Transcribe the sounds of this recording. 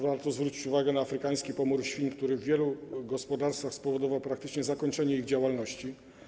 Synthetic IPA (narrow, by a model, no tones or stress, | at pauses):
vaɾt̪ɔzvɾut͡ɕit͡ɕuvaɡɛnaːfɾɘkaj̃skʲipɔmuɾɕfʲinkt̪uɾɘvːʲjɛluɡɔspɔd̪aɾst̪faxspɔvɔd̪ɔvawpɾakt̪ɘt͡ʂɲɛzakɔɲt͡ʂɛɲɛiɣd͡ʑawalnɔɕt͡ɕi